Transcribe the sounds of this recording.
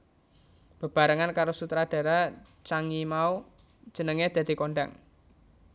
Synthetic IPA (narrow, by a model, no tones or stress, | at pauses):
b̥ə̤b̥a̤ɾəŋankaɾosut̪ɾad̪̥a̤ɾa | t͡ʃaŋimau | d̥ʒ̥ə̤nəŋed̪̥a̤d̪̥i̤koɳɖa̰ŋ